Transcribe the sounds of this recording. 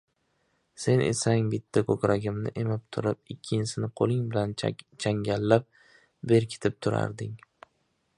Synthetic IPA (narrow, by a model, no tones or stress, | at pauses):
se̞nʔḛsaŋbɪt̪ʰːakʰokʲɾaɡʲɪmnɪ̰ʔemɪp̚t̪ʰʊɾɪp̚ɪkʲʰːɪnsɪnɪqʰolˠɪŋbɪlant͡ʃʰaŋɡʲalːap̚ | be̞ɾkʲʰɪ̥t̪ʰɪp̚t̪ʰʊɾa̰ɾd̪ɪŋ